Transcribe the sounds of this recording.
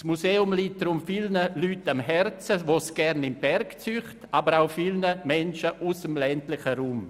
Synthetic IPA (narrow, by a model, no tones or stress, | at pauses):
smuseːʊmliːt̚d̥ɾʊmfilnəlyːtamɦɛɾt͡səvoːsɡ̥ɛɾnɪmbɛɾkt͡syχtaːbəɾaʊfilnəmɛnʃəʔusəmlɛntlɪχəɾuːm